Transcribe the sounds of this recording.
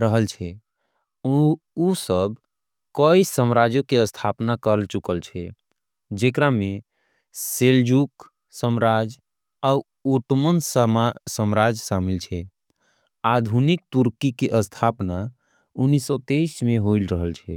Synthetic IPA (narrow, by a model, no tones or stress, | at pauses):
ɾəɦəlt͡ʃʰɛ | usəb | kəisəmɾad͡ʒokeəst̪ʰapnakəɾlt͡ʃukəlt͡ʃʰɛ | d͡ʒekɾame | seld͡ʒuk | səmɾad͡ʒ | au | oʈmənsmsəmɾad͡ʒsamilt͡ʃʰɛ | ad̪ʱunik̚t̪uɾkikeʔəst̪ʰapna | unːisɔt̪eismeɦoilɾəɦəlt͡ʃʰɛ